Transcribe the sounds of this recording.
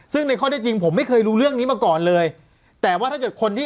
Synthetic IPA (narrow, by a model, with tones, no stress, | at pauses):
sɯ˥˩ŋna˧jkʰɔː˥˩ɛ˥˩t͡ɕi˧ŋpʰo˩˦mːa˥˩jkʰɤː˧jɾuː˦˥ɾɯ˥˩əŋniː˦˥maː˧kɔː˨˩nlɤː˧j | t̪ɛː˨˩waː˥˩t̪ʰa˥˩kɤː˨˩t̪̚kʰo˧nt̪ʰiː˥˩